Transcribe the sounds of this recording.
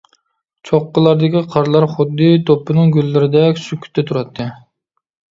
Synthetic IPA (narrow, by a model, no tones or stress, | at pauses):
t͡ʃʰoqːəlˠɑɾd̪ɪkʲiqʰɑɾlˠɑɾχʊd̪ːɨt̪ʰopʰːɨnɨŋɡʲylːɪɾɪd̪ɛkʲsykʲʰːy̥t̪ʰːɛt̪ʰuɾɑt̪ʰːɨ